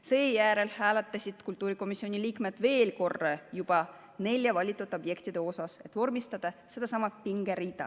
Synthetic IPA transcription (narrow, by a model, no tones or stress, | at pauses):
seːjæːɾe̞lhæːlet̪ˑːɑsʲid̪̥kult̪ːˑuːɾiko̞misːio̞nʲiliːkme̞d̪̥ve̞ːlko̞rːejub̥ɑ | ne̞lʲjɑvɑlʲit̪ːˑut̪ːˑo̞bje̞kt̪id̪̥e̞o̞sɑse̞t̪ːˑvo̞rmist̪ɑd̪̥ɑse̞d̪ɑsɑmɑt̪̚piŋɡeɾiːd̪ɑ̰